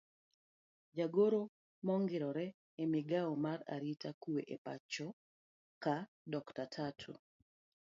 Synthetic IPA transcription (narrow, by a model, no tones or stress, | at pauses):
d͡ʒaɡoɾo | mɔŋɡɪɾɔɾɛː | mɪɡaɔmara̰ɾitakueʔepa̰t͡ʃɔ | ka | dɔktatʰatʰṵ